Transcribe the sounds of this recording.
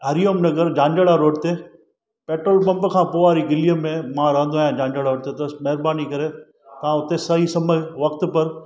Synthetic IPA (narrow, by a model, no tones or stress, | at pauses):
ɦɐɾijoːmnɐɡəɾd͡ʑãːɲd͡ʒəɽaɾoːɖt̪eː | peːʈɾəlpɐ̃mpkʰãːpoːaːɾiɡɪliəmːẽmãɾãːnd̪oaːjãd͡ʑãːɲd͡ʒəɽaoːɽt̪et̪ɐmɐɦɪɾbaːnikɐɾe | t̪ɐʋ̤ãʊt̪esɐɦisɐməʋɐk̚t̪pɐɾ